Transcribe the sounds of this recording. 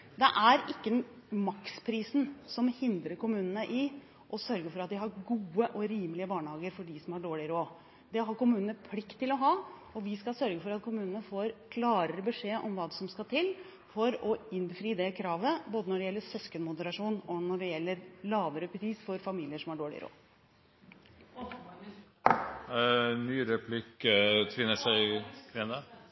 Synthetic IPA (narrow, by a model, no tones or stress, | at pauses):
d̪ɛʔæɾɪkːəmɑkspʰɾiːsn̩sɔmhɪnd̪ɾəɾkʊmʉːnənəʔɪ | ʔɔsœɾɡəfɔɾɑt̪̚d̪ɪɦɑɾɡuːəʔɔɾiːmlɪəbɑːɳəhɑːɡəɾfɔɖɪsɔmhɑɖoːɭɪɾoː | d̪ɛɦɑɾkʊmʉːnənəpʰlɪkt̪ʰːɪlɔɦɑː | ɔʋɪskɑsœɾɡəfɔɾɑt̪kʰʊmʉːnənəfoːɾkʰlɑːɾəɾəbəʂeːʔɔmʋɑːd̪ɛsɔmskɑlt̪ʰɪlː | fɔɾɔɪnfɾiːd̪ɛkʰɾɑːʋəboːd̪ənɔɖɛjɛlːəɾsœskənmʊd̪əɾɑʂuːnɔnɔɖɛjɛlːəɾlɑːʋəɾəpʰɾiːsfɔɾfɑmiːlɪəʂɔmhɑɖoːɭɪ̰ɾo̰ː | nyːɾɛpʰlɪkət̪ʰʋɪnːəʂæɪɾɛnɑ